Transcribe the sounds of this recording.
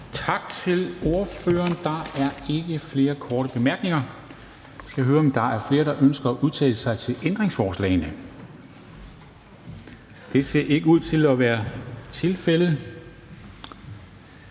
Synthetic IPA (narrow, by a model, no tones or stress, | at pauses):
t͡sʰɑ̈ɡ̥̚t͡sʰe̝lo̝ɐfø̰ːɐːnd̥ɑ̈æɐe̝ɡ̥əfle̝ːɐkʰɒːɾ̥əb̥e̝mæɐɡ̥ne̝ŋɐ | sɡ̥æɦøːɐɒ̽md̥ɑ̈æɐfle̝ːɐɾ̥ɑ̈ʔønsɡ̥ɐɒʔuð̞ˠt͡sʰɛ̰ːləsɑ̈ɪt͡sʰe̝lʔend̥ʁeŋsfɒːslɛ̰ɪnə | d̥e̝se̝ɐʔe̝ɡ̥əuð̞̰ˠt͡sʰe̝lɒʋæːɐt͡sʰe̝lfeləð̩ˠ